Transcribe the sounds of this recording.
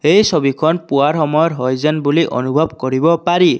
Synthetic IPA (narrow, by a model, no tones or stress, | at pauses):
ejsobikʰɔnpuaɹɦɔmɔjɔtɦojzɛnbuliʔɔ̰nubʱɔbkoɹibɔpaɾi